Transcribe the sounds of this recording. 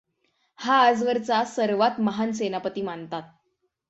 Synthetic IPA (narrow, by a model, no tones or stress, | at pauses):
haːd͡zʋəɾt͡sasəɾʋat̪məɦansenapət̪iːmant̪at̪̚